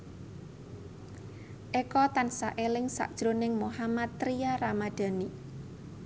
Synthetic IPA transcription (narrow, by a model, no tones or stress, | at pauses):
ʔekɔt̪ansaʔelɪŋsa̰ʔd̥ʒ̥ɾonɪŋmohamat̪ːɾijaramad̪̥a̤ni